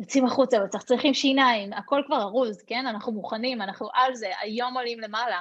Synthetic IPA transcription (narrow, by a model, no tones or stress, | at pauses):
jot͡simaχut͡savet͡saχt͡sʁiχimʃinaimako̞lkvaʁaʁuzke̞nanaχnumuχanimanaχnuʔalze̞ʔa̰jo̞molimle̞mala